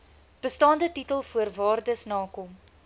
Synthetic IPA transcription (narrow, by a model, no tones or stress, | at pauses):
b̥əstɑːndətitəlˠfuərvɑːrdəsnɑːkɔm